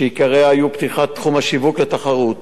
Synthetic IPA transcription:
ʃeikaʁeaajupt̪iχat̪ːχumhaʃivuklet̪aχaʁut

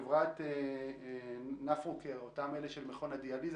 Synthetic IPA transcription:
vʁat̪e | nafʁukeotameleʃelmeχo̞nad̪ializ

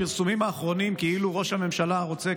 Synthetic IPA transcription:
ilsumimaːχʁo̞nimkeiluʁo̞ʃhame̞mʃalaʁo̞t͡se

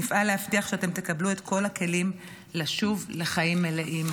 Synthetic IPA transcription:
nifʔalehaftiaχʃeate̞mt̪e̞kablue̞t̪kʰo̞lake̞lim | laʃuvle̞χajimːeleʔim

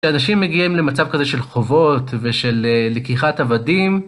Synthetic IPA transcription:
ʃeanaʃimːeɡiimlemat͡savkazeʃe̞lχo̞vo̞t̪veʃe̞lːekiχatavadim

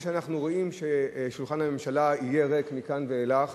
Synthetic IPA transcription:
ʃeanaχnuʁo̞ʔimʃe̞ʃulχanhame̞mʃalaije̞ʁekmikanveːlaχ

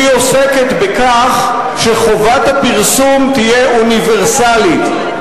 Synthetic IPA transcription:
io̞seket̪bekaχ | ʃeχovat̪hapiʁsumtijeʔuniveʁsalit̪

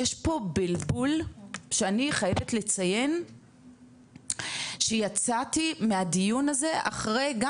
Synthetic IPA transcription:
jeʃpo̞bilbulʃeaniχajevetle̞t͡saje̞n | ʃejat͡satimeadijunaze̞ʔa̰χʁe̞jɡa

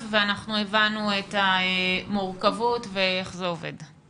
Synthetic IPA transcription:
veanaχnuevanuetaemuʁkavutvee̞χzeo̞vḛd

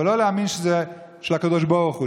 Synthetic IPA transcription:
loleaminʃəzɛ | ʃɛlhakad̪oʃboʁχu

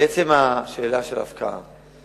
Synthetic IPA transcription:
et͡semaʃeːlaʃela̰fkaa̰m

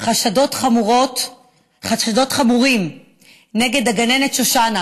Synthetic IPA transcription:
χaʃado̞tχamuʁot | χaʃad̪o̞tχamuʁim | neɡe̞d̪aɡane̞netʃoʃana

